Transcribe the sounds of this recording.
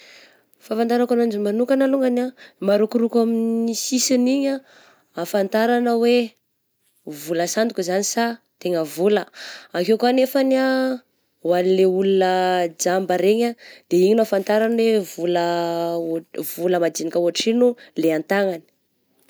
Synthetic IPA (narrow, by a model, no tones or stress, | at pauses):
fafant̪aɾakanand͡ʒimanukanaluŋɡanamaɾukuɾukaminisisiniɲa | afant̪aɾanəwe | vuləsand̪ukuzanisa | t̪eŋəvuləakekanefana | wanileulunəd͡ʒambəɾeɲad̪̥eiɲinuafant̪aɾanwevulə | vuləmad͡zinikəuaʈ͡ʂinuleant̪aŋani̥